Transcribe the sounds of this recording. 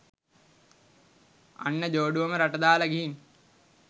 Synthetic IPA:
a̰nːəd͡ʒoːɖuʋɐməɾaʈɐd̪aːləɡiɦin

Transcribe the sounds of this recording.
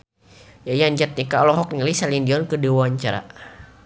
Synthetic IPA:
jajaɲd͡ʒat̪̚nikalɔɦɔk̚nəlisalindiɔnkədiwaɲt͡ʃaɾa̰

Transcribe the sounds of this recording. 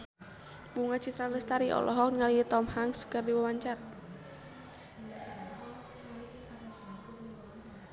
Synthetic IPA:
buŋat͡ʃit̪ɾaləst̪aɾiʔɔ̰lʔɔɦɔk̚ŋaliət̪ɔmhaŋskɨrdiwəwaɲt͡ʃar

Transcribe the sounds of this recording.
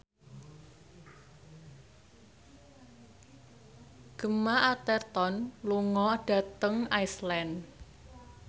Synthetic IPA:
ɡ̥ə̤maʔat̪ɛrt̪ɔnluŋɔɖ̥a̤t̪əŋaislɛn

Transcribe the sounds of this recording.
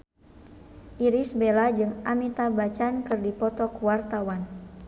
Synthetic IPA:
ʔiɾisbelad͡ʒɨŋamit̪abat͡ʃankɨrdipɔt̪ɔkuwart̪awan

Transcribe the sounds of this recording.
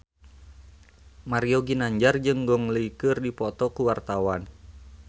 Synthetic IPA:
maɾioɡinaɲd͡ʒard͡ʒɨŋɡɔŋləikɨrdipɔt̪ɔkuwart̪awan

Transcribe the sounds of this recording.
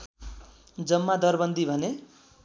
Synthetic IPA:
d͡zʌmːad̪ʌrbʌnd̪ʱibʱʌne

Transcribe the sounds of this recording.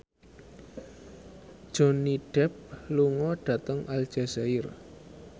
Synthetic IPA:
d̥ʒ̥o̤niɖ̥ɛp̚luŋɔɖ̥ä̤t̪əŋʔal̥ʒ̥asaɪr

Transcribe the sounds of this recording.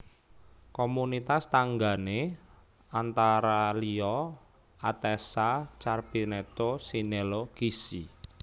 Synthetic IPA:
komunit̪ast̪aŋɡane | ant̪aɾaliɔ | at̪ɛsat͡ʃarb̥inet̪osineloɡ̥isi

